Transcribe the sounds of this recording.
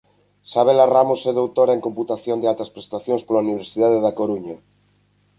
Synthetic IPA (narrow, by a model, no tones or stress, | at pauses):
saβ̞elaramosɛðowt̪oɾaeŋkomput̪aθjond̪ealt̪aspɾest̪aθjonspolauniβ̞eɾsiðaðeðakoɾuɲa